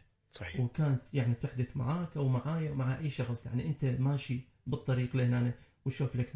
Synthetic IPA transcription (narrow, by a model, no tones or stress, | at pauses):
ɑwkaːnt̪jaʕnit̪ɪħd̪ɪθma̰ʕaːkʔawmaʕaːjamaʕaʔajːʃɑxsˤja̰ʕniʔɪnt̪amaːʃi | bɨt̪ˤːɑɾiːqlɪhnaːna | wʃuːflak